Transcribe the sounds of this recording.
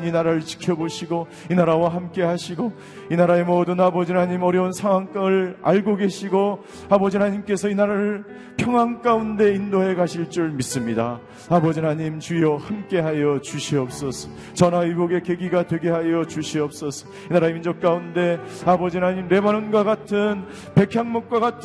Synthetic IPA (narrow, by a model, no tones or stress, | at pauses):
inaɾaɾɯɭt͡ɕi̥kʰjʌboɕʰiɡo | inaɾawaɦamk͈e̞ɦaɕʰiɡo | inaɾae̞modɯnabʌd͡ʑinaɲimʌɾjʌunsʰaŋwaŋk͈aŋɯɭa̰ɭɡoɡe̞ɕʰiɡo | abʌd͡ʑinaɲimk͈e̞sʰʌinaɾaɾɯɭ | pʰjʌŋwaŋk͈aunde̞indoɦe̞kaɕʰiɭt͡ɕ͈uɭmis͈ɯmɲida | abʌd͡ʑinaɲimt͡ɕiʌhamk͈e̞ɦajʌt͡ɕuɕʰiʌp̚s͈ʌsʰʌ̥ | t͡ɕʌnaiɡoɡe̞ke̞ɡiɡadwe̞ɡe̞ɦajʌt͡ɕuɕʰiʌp̚s͈ʌsʰʌ̥ | inaɾaeind͡ʑʌk̚k͈aunde̞ | abʌd͡ʑinaɲimɾe̞banɯnɡwaɡatʰɯn | pe̞kʰjaŋmok̚k͈waɣatʰ